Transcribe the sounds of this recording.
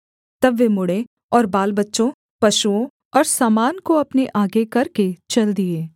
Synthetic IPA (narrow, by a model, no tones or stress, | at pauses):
t̪ɐbʋemʊɽe | ɔːɾbaːlbɐtːʃõ | pɐʃuõ | ɔːɾsaːmaːnkoɐpneʔaːɡekɐɾket͡ʃɐld̪ieː